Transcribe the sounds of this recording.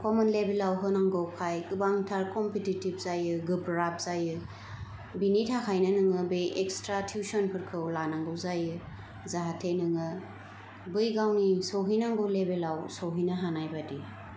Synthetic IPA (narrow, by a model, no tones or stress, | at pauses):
kɔmɔnlebelawɦɯnaŋɡɯwkʰajkɯbaŋtʰaɾkɔmpititib̚zajɯɡɯpɾap̚z̥ajɯ | binitʰakʰajnɯnɯŋɯbɯjekstɾatʰjusɔnpʰɯɾkʰɯwlanaŋɡɯwzajɯ | zaɦatʰenɯŋɯ | bɯjɡawnisowɦinaŋɡɯwlebelawsowɦinaɦanajbadi